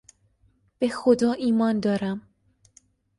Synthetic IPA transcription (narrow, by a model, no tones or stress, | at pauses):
b̥exo̞d̪ɒːʔiːmɒːnd̪ɒːɾæm